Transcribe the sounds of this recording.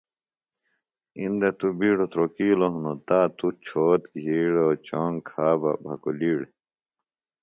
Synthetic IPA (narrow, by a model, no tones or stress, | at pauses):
ind̪et̪ubiːɽot̪ɾokiːloɦunot̪aːt̪ut͡ɕʰoːt̪ɡʱiːɽot͡ɕoːŋkʰaːba̰bʱɐkuliːɽe